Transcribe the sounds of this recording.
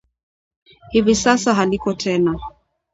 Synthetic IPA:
hivisasaɦalikɔtʰɛna

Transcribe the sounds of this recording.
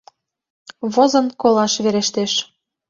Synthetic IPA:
βozɤ̆nkolɑʃβeɾeʃt̪eʃ

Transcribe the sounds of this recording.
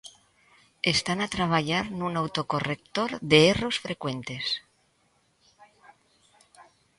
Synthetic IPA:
est̪anat̪ɾaβ̞aʎaɾnunawt̪okorek̚t̪oɾðeero̞sfɾekwe̞nt̪e̞s

